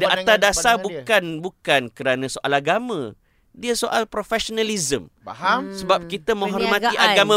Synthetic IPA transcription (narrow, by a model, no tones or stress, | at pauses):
dəat̪adasabukanbukankəɾanãsoʔalaɡamã | diasoʔalpɾofɛʃonãlizəm | səbap̚kit̪əmə̃ŋɦɔrtmãiʔaɡamã